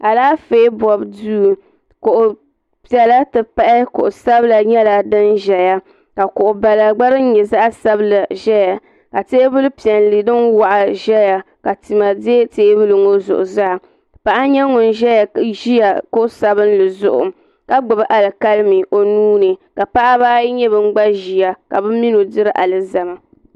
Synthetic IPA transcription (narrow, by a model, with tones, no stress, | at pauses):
a˨laː˦fe˦bɔ˨bduː˦˨ | kʊ˨ʔʊ˨ | pi˨ɛ˨la˦tɨ˨pa˦ʔɪ˦kʊ̰˨ʔʊ˨sa˦bla˨ɲɛ˦la˨dɨ˦nʒɛ˨ja˦ | ka˨kʊ˨ʔʊ˨ba˨la˨ɡ͡ba˦ɾɨ˦ɲɛ˨za˦ʔsa˦bla˨ʒɛ˦ja˨ | ka˨teː˦bɨ˦lɨ˦pi˨ɛ˨nli˨dɨ˦nwa˨ʔa˨ʒɛ˦ja˨ | ka˨ti˨ma˨de˦teː˦bɨ˦lɨ˨ŋo˦zʊ̰˨ʔʊ̰˨za˦˨ | pa˨ʔa˦ɲɛ˦ŋʊ˨n˨ʒɛ˦ja˨ʒi˦ja˨kʊ˦ʔsa˨bɨ˦n˦lɨ˨zʊ˨ʔʊ̰˨ | ka˦ɡ͡bʊ˨bʔa˨lɨ˨ka˦lmi˨ʔo˨nuː˦nɨ˨ka˨pa˦ʔa˦baː˦ji˦ɲɛ˦bɨ˦ŋ͡m̩˦ɡ͡ba˦ʒi˨ja˨ka˨bɨ˦mi˦no˨dɨ˦ɾɨ˦ʔa˨lɨ˨za˨ma˨